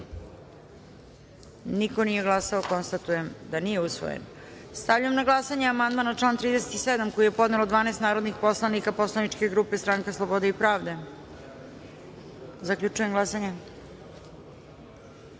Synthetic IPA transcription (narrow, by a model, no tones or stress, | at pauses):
nikonije̞ɡlˠasaoko̞nst̪at̪uje̞md̪anije̞usʋo̞̰jḛn | st̪avʎujemnaɡlˠasaɲeamand̪maːnaʈ͡ʂlˠaːnt̪ɾiːd̪eset̪ised̪amko̞jijepo̞d̪nelod̪ʋaːnest̪naːɾo̞d̪nixpo̞slˠanikapo̞slˠanit͡ʂke̞ɡɾuːpest̪ɾaŋkeslˠobo̞d̪eipɾaːʋd̪e̞ | zakʎʲut͡ʃujemɡlˠasaɲe